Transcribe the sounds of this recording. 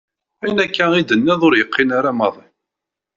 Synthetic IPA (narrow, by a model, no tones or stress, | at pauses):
æjnækːæid̪ənːæðˤoɾjəqʰːɪnaɾamɑðˤi